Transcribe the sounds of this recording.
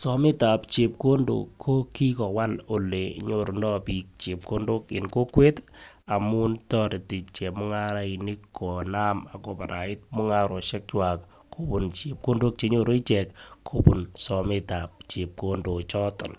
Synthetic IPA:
sɔ˨mɪ˦ta˨pt͡ʃe˨p̚ko˦ndo̰˨kʰːo˦ki˦kɔ˨wa˦lo˨le˨ɲo˨ɾo˨ndɔ˦pi˨k̚t͡ʃe˨p̚ko˦ndo˦kɪ̰˨nko˦kwe˦ta˨mʊ˦ntɔ˦ɾe˨ti˨t͡ʃɛ˨mʊ˦ŋa˦ɾa˦i˨nɪ˦kʰːo˨na˦ma˨ko˨pa˨ɾa̰˨ɪ˦t̚mʊ˦ŋa˦ɾo˨ʃɛ˦k̚t͡ʃwa˨kʰ | o˨pu˨nt͡ʃe˨p̚ko˦ndo˦k̚t͡ʃe˨ɲo˦ɾo˦i˦t͡ʃɛ˨kʰo˨pṵ˨nsɔ˨mɪ˦ta˨p̚t͡ʃe˨p̚ko˦ndo˨t͡ʃɔ˦tɔ̰˨n

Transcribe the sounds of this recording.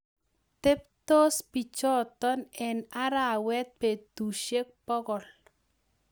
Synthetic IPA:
t̪e˦p̚to˦spi˨t͡ʃɔ˦t̪ɔ˦nɛ˨na˦ɾa˨wɛ˦t̪̚pe˨t̪u˨ʃe˦k̚pɔ˦ɡɔ˨l

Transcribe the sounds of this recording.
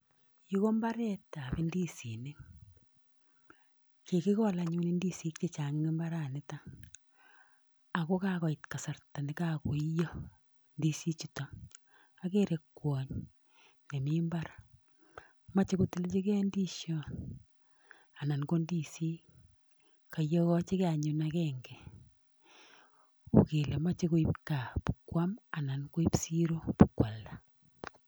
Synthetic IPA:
ji˦ko˦mba˦ɾɛ˦ta˨bi˦ndi˦si˨ni˦ | ke˨ki˦kɔ˦la˨ɲu˦ni˦ndi˦si˦kt͡ʃe˦t͡ʃa˨ŋ˦ɡe˦mba˦ɾa˨nɪ˦ta˦ | a˨ko˦ka˦kɔ˨i˨tka˨sa˨rta˨ni˨ka˦ku˨i˦jo˦ | ndi˦si˦t͡ʃi˨tɔ˨ | a˦ke˦ɾe˨kːwɔ˨ɲ | ne˨mi˦mba˦ɾ | ma˦t͡ʃe˦ku˦ti˦lt͡ʃe˦kɛ˦ndi˦ʃɔ˦ | a˨na˨nko˦ndi˦si˦ | ka˨jɔ˦kɔ˦t͡ʃe˦ke˦a˨ɲu˨nakɛŋɡɛ˨ | u˨ke˨le˨ma˦t͡ʃe˦ko˦i˦p̚ka˨pukwa˦ma˨na˨nko˦i˦psi˦ɾo˦pu˨kwa˨lːa

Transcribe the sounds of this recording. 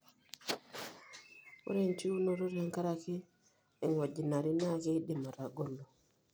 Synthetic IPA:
o̰˦ɾe˦˨ɲt͡ʃi˦u˦no˦ɾu˦ɾa˨ŋka˦ɾakeː˦˨ | ŋwa˨ɟi˨na˨ɾi˦na˦ke˦i˦ɗe˨ma˨ɾa˨ɡo˦lo˨

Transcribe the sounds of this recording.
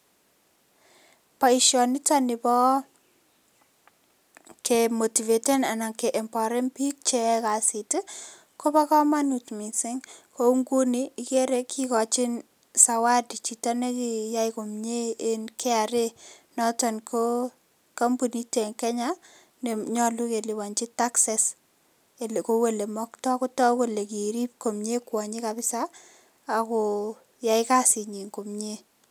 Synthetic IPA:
pa˨i˨ʃjɔ˨nɪ˦ta˦nɪ˨bɔ˦ | ke˨mo˨ti˨ve˨te˦na˨na˨ŋke˨ʔɛ˨mpɔ˨ɾɛ˦npi˦k̚t͡ʃɛ˦ka˨si˨tɪ˦ | kɔ˦ba˦kɔ˦ma˦nu˨tmi˨sɪ˦ŋko˦uŋɡu˦niː˦ke˦ɾe˦kʰi˦kɔ˨t͡ʃɪ˦n | sa˨wa˦di˨t͡ʃi˨ta˦ne˦ki˨ja˦jko˨mɲeː˦nkɛ˦a˨ɾe˦nɔ˦tɔ˨nkʰo˦ | ka˦mbu˨ni˦te˨ŋkɛ˦ɲa˦ | ne˨ɲɔ˦lu˦ke˨li˨wa˨nt͡ʃi˦ta˦ksɛ˨s | e˨lkowe˦le˨mɔ˦ktɔ˦kɔ˦tɔ˦we˦le˨ki˨ɾi˦p̚ko˨mɲe˦kwɔ˨ɲi˦kapɪ˦sa˦ | a˨kɔ˨ | ja˨ɪka˦si˨ɲi˨ŋko˨mɲe˦

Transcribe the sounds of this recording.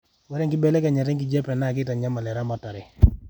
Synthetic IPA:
wɛ˦ɾɛ˦ŋkɪ˦bɛ˦lɛ˦ka˨ɲa˨t̬ɛ˦ŋk̬ɪ˦d͡ʒɛ˦pɛ˨na˦˨kɪ˦ta˨ɲa˦ma˨lɛ˨ɾa˦ma˨ta˨ɾɛ˨

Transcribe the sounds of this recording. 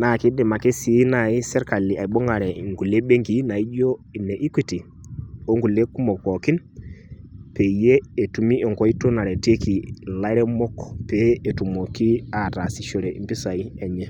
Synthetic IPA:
na˨ki˦ɗɛ˨ma˨kɛ˦si˨˦na˨i˦sɛ˦ɾka˨lːi˨a˨i˨ɓɔ˦ŋɡa˨ɾɛ˨ŋɡu˨le˦ɓe˦ŋɡi˨˦na˨i˦d͡ʒɔ˦i˨nːɛ˨ʔi˦ki˦ti˨ | o˦ŋɡu˨le˦ku˦mɔ˨kɔ˨ki˦n | pe˨jeː˦˨tu˨mi˦ʔɔ˨ŋkɔ˨˦i˦tu˦na˨ɾɛ˨te˦ki˨la˦ɾɛ˦mɔ˦kːɔ̥˨peː˦˨tu˨mo˨ki˦a˨ta˨si˨ʃɔ˨ɾɛ˨i˨mpi˦sa˨i˦ɛ˨ɲɛ˦

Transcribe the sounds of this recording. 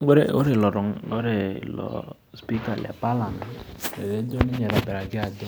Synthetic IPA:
ɡ͡be˦ɾe˦o̰˦ɾe˨lɔ˨ɾɔ˨ŋ˦o˦ɾe˨lɔ̰˨ | spi˦ka˨lḛ˨pa˦la˨n˨e˨ze˦d͡ʒo˦ni˦ɲe˨ɾa˨bɛ˨ɾa˨ɡɪ˦a˨di˦

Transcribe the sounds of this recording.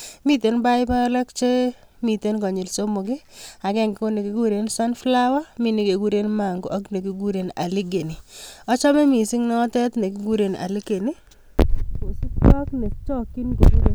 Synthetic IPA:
mi˦te˨nba˦jba˦la˦kt͡ʃe˦ | mi˨te˦nkɔ˨ɲɪ˨lso˦mo˨kɪ˦a˨kɛ˦ŋɡɪ˨ko˦ne˨ki˦ɡu˦ɾe˦nsa˦nfla˦wa˦mi˦˨ni˨ke˨ɡu˦ɾe˦nma˨ŋɡo˨ʔa˦kne˨ki˨˦ɡu˦ɾe˨na̰˨li˦ɡe˨ni˨ɔ˦t͡ʃɔ˦mɛ˦mi˨si˦ŋnɔ˦tɛ˦tne˨ki˦ɡu˦ɾe˨na̰˨li˦ke˨ni˦ | ko˨si˦ta˦kne˨kt͡ʃɔ˦kːi˦nko˨ɡu˦ɾe˦

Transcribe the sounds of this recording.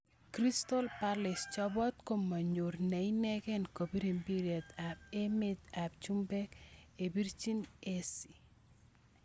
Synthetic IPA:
kɾi˦stɔ˦lpalɪ˨st͡ʃɔ˦bɔ˦t̪ko˦mːa˨ɲo˨ɾne˨i˦nɛ˦ɡɛ˦nko˨bi˦ɾe˨mbi˦ɾiɛ˨da˨p̚e˦mɪ˦da˨p̚t͡ʃu˦mbɛ˦ke˨bi˦ɾt͡ʃi˦ne˦si˨

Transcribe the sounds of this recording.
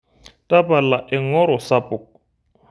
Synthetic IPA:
tʼa˦pa˨la˨ʔɪ˨ŋɔ˦ɾɔ˨sa˦pʼʊ˨k̚

